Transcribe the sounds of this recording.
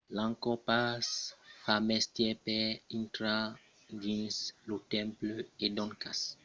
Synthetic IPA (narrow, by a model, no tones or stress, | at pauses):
lãŋkɔpasfamɛst̪jɛpɛĩnt̪ɾa | ɡĩnslut̪ɛ̃mpløed̪ɔ̃ŋkas